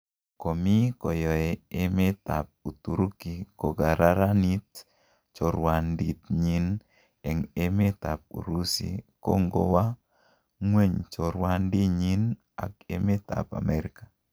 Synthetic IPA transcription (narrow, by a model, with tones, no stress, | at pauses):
ko˨mi˦kɔ˨jɔ˨e˨eme˦t̪a̰˨p̚u˨t̪u˨ɾu˦ki˨ko˨ɡa˨ɾa˦ɾa˦ni˦t̪̚ | t͡ʃɔ˨ɾwa˨ndi˨t̪̚ɲi˦n | ɛ˨ŋe˦me˦t̪a˨p̚ṵ˨ɾu˦sḭ˨ko̰˦ŋɡo̰˦wa˦ | ŋwe˦ɲt͡ʃɔ˨ɾwa˦ndi˦ɲi˦n | a̰˨kḛ˦me˦t̪a̰˨pa̰˨mɛ˨ɾi˦ka˨